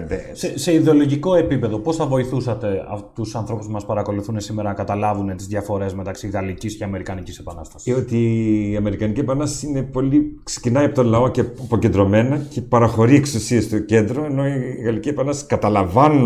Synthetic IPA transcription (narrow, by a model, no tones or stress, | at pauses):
d̪esese̞iðeo̞lo̞ʝiko̞e̞pipe̞ðo̞po̞sθɐvo̞iθusɐt̪e̞ɐ̰ft̪usɐnθɾo̞puspumɐspɐɾɐko̞luθune̞simeɾɐnɐkɐt̪ɐlɐvune̞t̪izðʝɐfo̞ɾe̞zme̞t̪ɐksiɣɐlicisceɐme̞ɾikɐnicise̞pɐnɐst̪ɐ̥siot̪iːɐme̞ɾikɐnicepɐnɐst̪ɐ̥sine̞po̞likse̥cinɐjɐpo̞t̪onlɐo̞ce̞po̞ce̞nd̪ɾo̞me̞nɐcepɐɾɐxo̞ɾieksusiest̪oce̞nd̪ɾo̞e̞no̞iɣɐlicepɐnɐst̪ɐskɐt̪ɐlɐvɐnu